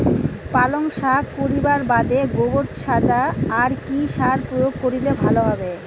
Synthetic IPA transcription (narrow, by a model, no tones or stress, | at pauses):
paloŋʃakpoɾibaɾbad̪eɡobot̪ʃad̪aːɾkiʃaɾpɾuɾokkːoɾilebʱaloɦɔbe